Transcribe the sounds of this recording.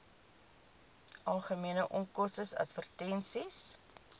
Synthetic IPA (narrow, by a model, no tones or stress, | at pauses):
ʔɐlˠχəmiənəʔɔmkɔsəsɐ̰tfərtɛnsis